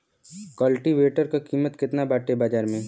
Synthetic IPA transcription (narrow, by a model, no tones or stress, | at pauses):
kɐlʈiʋeːʈəɾkakiːmət̪kɪt̪nabaːʈebaːd͡ʒaːɾmẽː